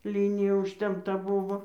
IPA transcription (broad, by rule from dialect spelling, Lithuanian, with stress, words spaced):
ˈlʲiːnʲɪjɛ ʊʃʲtʲɛmpˈtɐ ˈbʊʋoː